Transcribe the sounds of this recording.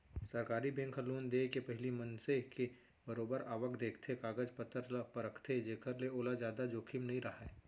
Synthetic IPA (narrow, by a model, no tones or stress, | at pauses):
sɐɾkaːɾibẽːŋkʰəluːnd̪eːkepɐɦɪlimɐnseke | bəɾoːbəɾaːʋəkd̪eːkʰt̪ʰekaːɡəd͡ʒpət̪ːəɾlapɐɾəkʰt̪ʰed͡ʒeːkʰəɾleoːlad͡ʒjaːd̪ad͡ʒoːkʰimnɐɦĩɾɐɦaɛː